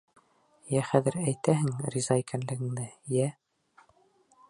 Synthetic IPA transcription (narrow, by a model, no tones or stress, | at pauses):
jæχæðɘɾæjt̪æɦɘŋrʲizɑikænlɘ̆ɡɘ̆ŋd̪ɘjæ